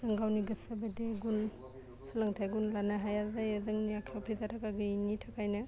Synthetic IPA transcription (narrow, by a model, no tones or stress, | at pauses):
z̥ɐŋɡawniɡɯsabadeɡun | silaŋtʰajɡunlanaɦajazajazɐŋnijakʰwpʰizatʰakaɡɯinitʰakajna